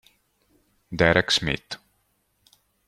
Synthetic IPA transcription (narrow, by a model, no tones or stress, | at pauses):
d̪ɛɾɛksmɪ̰t̪